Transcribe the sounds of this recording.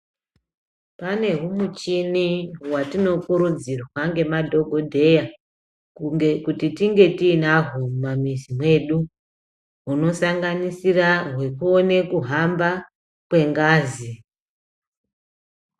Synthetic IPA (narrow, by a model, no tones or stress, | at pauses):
pane̞ɦumut͡ʃiniwatino̞kuɾud͡zirwaŋɡe̞madʱo̞ɡʱo̞dʱe̞ja | ekutitiŋɡe̞tiːnaɦumamizimwe̞ɗu | ɦuno̞saŋɡanisiraɦwe̞kuone̞kuɦamba | kwe̞ŋɡaːzi